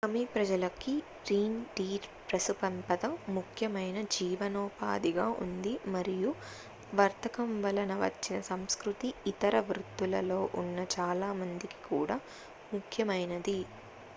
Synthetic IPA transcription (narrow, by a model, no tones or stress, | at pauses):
ɐmipɾɐd͡ʒɐlɐkiɡɾiːnɖiːɾpɾɐsupɐmpɐd̪ɐmːukʰjɐmɐjnɐd͡ʒiːʋɐnɔːpa̰ːd̪iɡaːʔṵnd̪imɐɾiju | ʋɐɾt̪ɐkɐmʋɐlɐnɐʋɐ̰t͡ʃːinɐsɐmskɾut̪iːt̪ɐɾɐʋɾut̪ːulɐlo̞ːʔunːɐt͡ʃaːlaːmɐnd̪iki̥kuːɽaː | mukʰjɐmɐjnɐd̪i